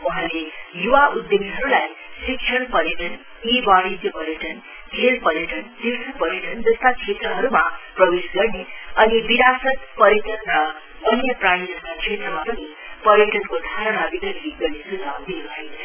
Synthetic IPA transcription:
wuɦãlejuwaʔud̪joɡiɦʌɾulajsikʃʰʌɽpʌɾjʌʈʌn | ibaɽid̪jʌpʌɾjʌʈʌn | ɡʱelpʌɾjʌʈʌnd̪isʌpʌɾjʌʈʌnd͡zʌst̪at͡sʰet̪rʌɦʌɾuma̰prʌbesɡʌrneʌnibiɾasʌt̪pʌɾjʌʈʌnrʌ | ʌnjʌpraɽid͡zʌst̪at͡sʰet̪rʌmapʌni | pʌɾjʌʈʌnkod̪ʱaɾʌnabiɡʌliɡʌɾisud͡zawd̪inubʱʌt͡sʰʌ

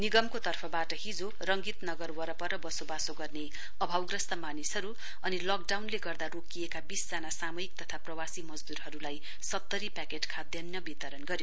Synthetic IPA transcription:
niɡʌmkot̪ʌrpʰʌbaʈʌɦid͡zo | rʌŋɡit̪nʌɡʌrwʌɾʌpʌɾʌbʌsobasoɡʌrne | ʌbʱawɡrʌst̪ʌmanisɦʌɾu | ʌnilɔk̚ɖawnleɡʌrd̪aɾokijekabisd͡zanasamʌjik̚t̪ʌt̪ʰaprʌwasimʌd͡zd̪uɾɦʌɾulaj | sʌt̪ːʌɾipakeʈkʰad̪jʌnjʌbit̪ʌɾʌnɡʌɾjo

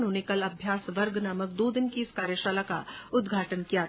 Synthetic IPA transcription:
nɦonekɐlɐbʱjaːsʋɐɾɡnaːməkd̪oːd̪ɪnkiɪskaːɾjəʃaːlaka̰ʊd̪ɡʱaːʈənkija

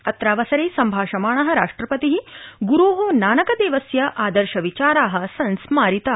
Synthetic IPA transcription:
ɐt̪ɾaːʋɐsɐɾeːsɐmbʱaːʃɐmaːɳ̃ɐɦɐɾa̰ːʂʈɾɐpɐt̪iɦiɡuɾuːɦonaːnɐkɐd̪eːʋɐsjɐʔaːd̪ɐɾʃɐʋit͡ʃaːɾaːɦɐ̆sɐnsmaːɾit̪ɐ

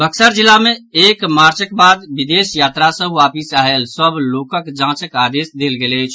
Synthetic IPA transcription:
bʱəksəɾd͡ʒilːameekmaɾt͡ʃək̚bad̪bid̪esjat̪ɾasə̃ɦuʋapisaɦelsəblokəkd͡ʒãt͡ʃəkad̪esd̪elɡelət͡ʃʰ

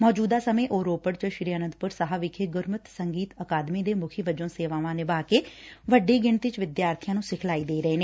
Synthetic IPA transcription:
mɔːd͡ʒuːd̪aːsəmẽːʔoːɾoːpəɽt͡ʃəʃɾiːaːnənd̪̚pʊɾsəɦaːʋɪkʰeːɡʊɾmət̪səŋɡiːt̪əkaːd̪mĩːd̪eːmʊkʰiːʋəd͡ʒõːseːʋãːʋãːneːbaːkeːʋəɖeːɡɪɳt̪ɪt͡ʃʋɪd̪jaːɾt̪ʰɪjãːnũːsɪkʰlaːiːd̪eːɾɛeːneː

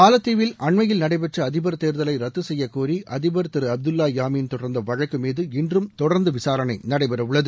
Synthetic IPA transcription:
aːlɐt̪ːiːʋɪlʔɐɳmɐjɪlnɐɽɐɪpɛʈrɐɐðɪbɐɾt̪eːɾðɐlɐɪɾɐt̪ːɯsɛjːɐkːoːɾiʔɐðɪbɐɾt̪ɪɾɯɐb̚d̪ɯlːaːjaːmiːnt̪ɔɽɐɾnd̪ɐʋɐɻɐkːɯmiːðɯɪndrɯmt̪ɔɽɐɾnd̪ɯʋɪsaːɾɐnɐɪnɐɽɐɪpɛɾɐʋɯɭːɐðɯ

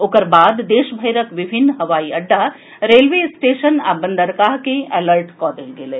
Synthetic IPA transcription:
oːkəɾbaːd̪d̪eːʃbʱəjɾəkʋɪbʱɪnːɦɐʋaːiɐɖːa | ɾeːlʋesʈeːʃəna̰ːbə̃nd̪əɾkaːɦkẽɛːləɾʈkɔːd̪elɡeleː

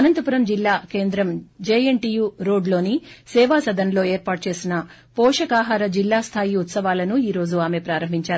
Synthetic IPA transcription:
ɐnɐnt̪ɐpuɾɐmd͡ʒilːaːke̞ːnd̪ɾɐmd͡ʒeːeɳʈijuːɾo̞ːɖlo̞ːnisɛːʋaːsɐd̪ɐnlo̞ːeːɾpaːʈ̚t͡ʃe̞ːsinɐ | pɔːʂɐkaːɦaːɾɐd͡ʒilːaːst̪ʰaːjiut̪sɐʋaːlɐnuiːɾo̞ːd͡ʒuaːme̞pɾaːɾɐmbʱiɲt͡ʃaːɾu

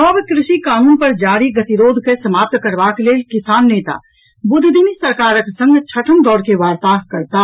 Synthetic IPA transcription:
ɔbkɾɪʃikaːnuːnpəɾd͡ʒaːɾiɡət̪iɾoːd̪ʱkesəmaːp̚t̪kəɾbakleːlkɪsaːnːeːt̪a̰ | bʊd̪ʱd̪ʱimisəɾkaːɾəksə̃ŋɡt͡ʃʰəʈʰəmd̪ɔːɾkeʋaːɾt̪aːɦkəɾt̪a

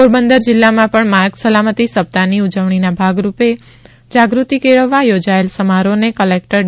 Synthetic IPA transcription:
poɾbənd̪əɾd͡ʒɪlːamãpəɳmaɾɡsəlamət̪isəp̚t̪aniud͡ʒəʋɳ̃inabʱaɡɾupe | d͡ʒaɡɾut̪ikeɭəʋːajod͡ʒaelsəmaɾonekəlek̚ʈəɾ

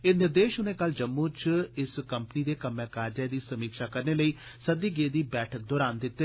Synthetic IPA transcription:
ɪnɪɾd̪eːʃʊnẽːkəld͡ʒəmːũːt͡ʃɪskəmpəniːd̪eːkəmːɛ̃ːkaːɾd͡ʒɛːd̪iːsəmiːkʃaːkəɾneːləiːsəd̪iːɡeːd̪iːbɛːʈʰək̚d̪ɔːɾaːnd̪ɪt̪ːe

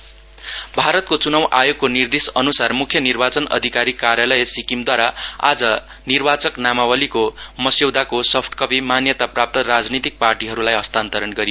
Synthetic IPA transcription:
bʱaɾʌt̪̚kot͡sunʌwʔajoɡ̚konird̪esʌnusarmukʰjʌnirbat͡sʌnʌ̰d̪ʱikaɾikaɾjalʌjʌsikimd̪waɾaa̰d͡zʌ | nirbat͡sʌknamawʌlikomʌsjewd̪akosʌpʰʈkʌpimanjʌt̪aprap̚t̪ʌrad͡znit̪ik̚parʈiɦʌɾulajɦʌst̪ant̪ʌɾʌnɡʌɾijo

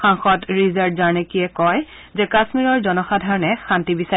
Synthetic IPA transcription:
xãŋxɔtɹizaɹdzaɹnekiɛkɔj | zɛkasmiɹɔɹzɔnɔxadʱaɹɔnɛxantibisa

